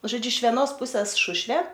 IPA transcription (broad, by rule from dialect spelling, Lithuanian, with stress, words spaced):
ʒoːˈd͡ʒʲʊ ɪʃ ʋʲɛˈnoːs ˈpʊsʲɛs ˈʃʊʃʲʋʲeː